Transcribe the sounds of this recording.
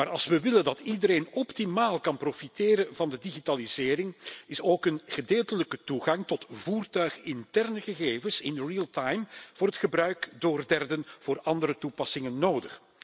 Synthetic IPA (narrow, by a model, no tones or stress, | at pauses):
maːɾɑ̰lˠsʋəʋɪləndɑtidəɾeːnɔptimaːlˠkɑnprofiteːɾənvɑndədiɣitalizɪːɾɪŋɪsoːkənχədeːlˠtələkətuɣɑŋtɔtvuːrtœɥχɪntɛrnəɣəɣeːvənsɪnriːəlˠtajmv̥ʊːrɦətχəbɾœɥkdoːrdɛrdənv̥ʊːrɑndəɾətupɑsɪŋənːoːdəχ